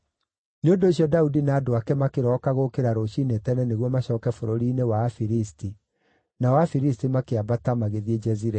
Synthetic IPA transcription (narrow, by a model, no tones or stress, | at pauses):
neondoːɕiɔdaudinaːdoakɛmakeɾɔkaɣokeɾaɾoɕinetɛnɛneɣwɔmaɕɔːkɛfoɾoɾiːnewafiɾisti | nawafiɾistimakeabatamaɣeðied͡ʒɛziɾɛ